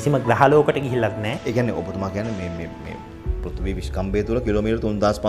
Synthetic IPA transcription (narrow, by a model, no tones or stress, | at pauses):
isiməɡɾaɦaloːkəʈəɡiɦilːat̪nɛːeːkijanːeʔo̰bət̪umaːkijanːemeːmeːmḛː | pɾut̪ʋiːʋiskambeːt̪uləkiloːmiːʈəɾət̪und̪aːspa